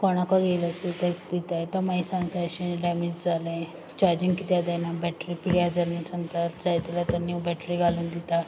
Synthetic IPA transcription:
kɔɽ̃akaɡelasət̪ekd̪it̪ajt̪əmaisãŋɡt̪aəɕĩɖɛmid͡ʑd͡zalẽ | t͡ɕaɾd͡ʑiŋɡkit̪jad̪ɛnabɛʈɾiːpiɽjad͡zalĩsaŋɡt̪aɾd͡zajt̪ilat̪əɾniwbɛʈɾiɡʱaluːnd̪it̪a

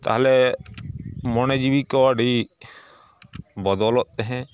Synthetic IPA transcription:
t̪a̰ɦlɛ | mɔned͡ʒibikɔaɖi | bɔd̪ɔːlɔt̪̚ɛɦɛ̃

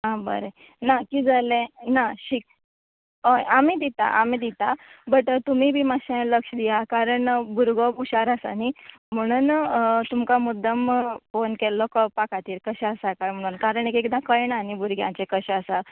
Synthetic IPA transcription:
ɦãbə̰ɾe | nakiːd͡zalẽnaɕiːk̚ | ojamid̪it̪a̰ʔamid̪it̪abəʈət̪umibʱiːmaɕẽləkʂd̪ijakaɾəɳbuɾɡɔbuɕaɾasa̰nim̤əɽ̃uːnt̪umkamud̪ʱːəmfonkɛlɔkɔpakat̪iːɾkəɕɛəsakam̤əɽ̃uːnkaɾəɳekekd̪ãkəjɳanibuɾɡjã̰t͡sekəɕɛ̃əsa

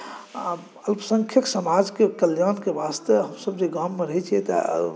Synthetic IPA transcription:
əlpsə̃ŋkʰjəksəmad͡ʒkekəljankebast̪eɦəmsəbd͡ʒeɡamːeɾəɦt͡ʃʰiɛt̪ə̰

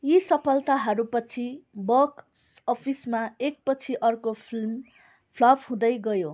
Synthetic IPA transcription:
jisʌpʰʌlt̪aɦʌɾupʌt͡sʰibʌk | ʌpʰismaek̚pʌt͡sʰiʔʌrkopʰilm | pʰlʌbɦũd̪ʌjɡʌjo

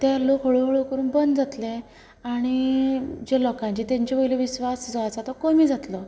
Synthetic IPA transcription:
t̪aɾlokʰoɭoɦoɭokəɾuːnbənd̪d͡zat̪le | aɽ̃id͡ʑelɔkãɲt͡ɕiːt̪jaɲt͡ɕebəjleʋisʋasd͡zɔat͡sat̪ɔkomiːd͡zat̪lɔ

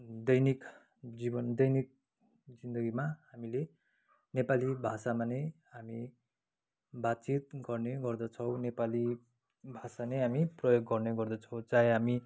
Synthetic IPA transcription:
d̪ʌjnik | d͡zibʌnd̪ʌjnik̚ | d͡zind̪ʌɡimaɦamile | nepalibʱasamanejɦami | bat̪̚t͡sit̪̚ɡʌrneɡʌrd̪ʌt͡sʰʌwnepali | bʱasanʌɦamiprʌjoɡːʌrneɡʌrd̪ʌt͡sʰʌwt͡sajɦami

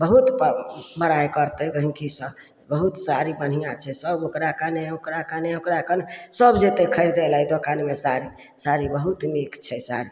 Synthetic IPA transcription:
bəɦut̪pməɾajkəɾt̪ɛɡəɦĩkisə̃ | bəɦut̪saɾibənɦijãt͡ʃʰɛsəbokɾakəneokɾakəneokɾakənesəbd͡ʒet̪ekʰəɾid̪elɦid̪okanmesaɾi | saɾibəɦut̪nekt͡ʃʰɛsa̰ɾi

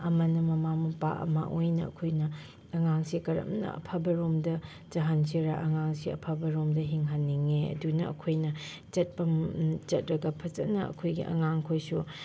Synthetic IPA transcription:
ɐmɐnɐmɐmamɐpa̰ʔɐ̰mɐ̰ʔojnɐɐ̰kʰojnɐː | ŋaŋsikɐɾɐ̰mnɐ̰ɐ̰pʰabɐɾomdɐ | d͡ʒɐɦansʰiɾaʔɐŋaŋsiɐ̰pʰabɐɾomdɐɦiŋɦɐnːiŋeɐ̰dunɐɐ̰kʰojnɐ | t͡ʃɐt̚pɐt͡ʃɐt̚ɾɐɡɐpʰɐt͡ʃɐnɐɐ̰kʰojɡḭʔɐ̰ŋaŋkʰojsu

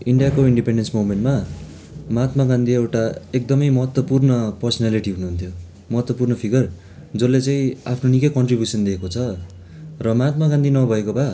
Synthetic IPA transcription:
iɳɖijakoiɳɖipeɳɖensmomeɳʈma | mat̪maɡãnd̪iewʈaek̚d̪ʌmʌjmʌɦʌt̪wʌpurnʌpʌrsʌnaliʈiɦunuɦunt̪ʰjo | mʌɦʌt̪wʌpurnʌpʰiɡʌr | d͡zʌlːet͡saĩapʰnonikʌkʌɳʈribjusʌnd̪eːkot͡sʰʌ | rʌmat̪̚maɡãnd̪inʌbʱʌekobʱa

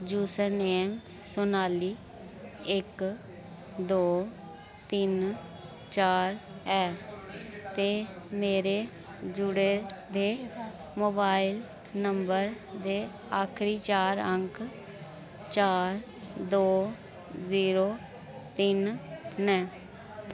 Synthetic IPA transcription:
d͡ʒuːsəɾneːm | sʊnaːliː | ɪk | d̪oː | t̪ɪn | t͡ʃaːɾɛː | t̪eːmeːɾeː | d͡ʒʊɽeːd̪eː | moːbaːɪl | nəmbəɾ | d̪eː | aːkʰɾiːt͡ʃaːɾəŋk | t͡ʃaːɾ | d̪oː | ziːɾoː | t̪ɪnnɛː

